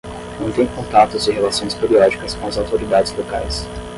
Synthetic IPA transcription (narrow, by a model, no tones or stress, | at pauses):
nɐ̃w̃t̪ẽj̃kõnt̪at̪ʊzɪ̃ɦelasõj̃speɾiɔd͡ʒikɐskõɐzawt̪oɾid̪ad͡ʒɪzloka̰js